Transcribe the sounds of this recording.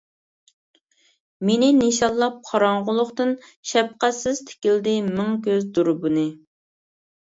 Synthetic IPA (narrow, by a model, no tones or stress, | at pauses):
menɪneʃɑlˠːɑp̚qʰɑɾɑɴʁʊlˠʊχt̪ɨn | ʃɛp̚qæsɪz̥t̪ʰɪ̥kʲild̪ɪmɪŋkʲøzd̪uɾbunɨ